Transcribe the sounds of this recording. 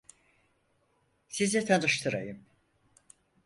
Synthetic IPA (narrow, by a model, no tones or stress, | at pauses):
sizɛt̪ʰanɯʃt̪ʰɯɾa̰jɯm